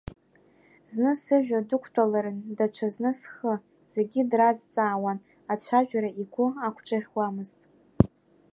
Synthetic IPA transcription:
znɨsɨʒᶣadɨkʷʰtʰalaɾɨndat͡ʃʷʰaznɨsχə | z̥eɡʲɪdrazt͡sʼaːwan | at͡ɕʷʰaʒᶣʷaɾaiɡʷʊakʷʰʈ͡ʂʼaʁʲwamɨztʼ

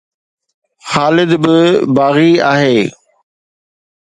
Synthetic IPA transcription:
xaːlɪd̪bɪbaːɣiaːɦeː

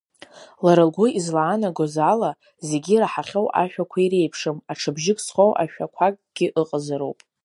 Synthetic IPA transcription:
laɾɨlɡʷʊizlaːnaɡozala | ze̞ɡʲiraħaχʲo̞wʔa̰ʃᶣakʷʰaiɾejpʰʂɨmaʈ͡ʂʰɨbʒɪkʼsχowʔa̰ʃᶣakʷʰakʼɡ̥ʲɪʔɨqʼazɨɾowpʼ

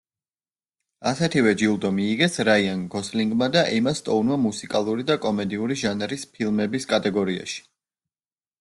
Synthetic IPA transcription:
asɛt̪ʰivɛd͡ʒilˠd̪ɔmiːɡɛsɾaianɡɔsliŋɡmad̪aʔimast̪ʼɔwnmamusikʼalˠuɾid̪akʼɔmɛd̪iuɾiʒanɛɾispʰilˠmɛbiskʼat̪ʼɛɡɔɾia̰ʃi̥

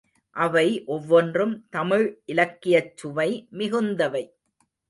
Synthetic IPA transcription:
ʔɐʋɐɪʔɔʋːɔndrɯmt̪ɐmɪɻʔɪlɐkːɪjɐt͡ʃːʊʋɐɪmɪɣɯnd̪ɐʋɐɪ

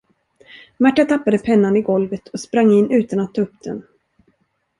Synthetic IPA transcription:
mæʈːat̪ʰapːad̪əpʰɛnːanɪɡɔlvət̪ʰɔspɾaŋːɪnːʔʉ̟ːt̪anat̪ʰːɑːɵpd̪̥ɛ̰n

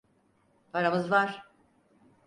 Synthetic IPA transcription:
pʰaɾamɯzvaɾ̥

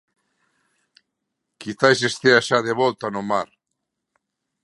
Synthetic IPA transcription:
kit̪ajsest̪eaʃaðeβɔlt̪anʊmaɾ

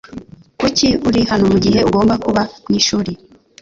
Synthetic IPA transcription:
kuciuɾihanomuɟiɦe̞uɡo̞ːmbakuβamɲiʃuːɾi

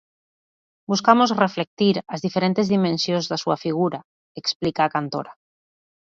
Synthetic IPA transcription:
buskamozreflek̚t̪iɾazðifeɾent̪ezðimẽnsjonzðasuafiɣ̞uɾa | eksplikaːkant̪o̰ɾa

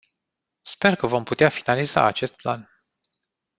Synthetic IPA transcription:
spe̞rkəvo̞mput̪eafinaliza̰at͡ʃe̞st̪̚plan

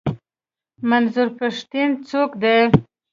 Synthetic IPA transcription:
manzʊɾpaʂt̪int͡sokd̪e

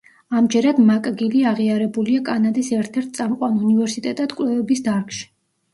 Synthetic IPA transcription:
amd͡ʒɛɾad̪makʼɡiliaʁiaɾɛbuliakʼanad̪isɛɾt̪ʰɛɾt̪̚ʰtsʼamqʼwanunivɛɾsit̪ʼɛt̪ʼad̪̥kʼlɛvɛbisd̪aɾkʰʼʃi̥

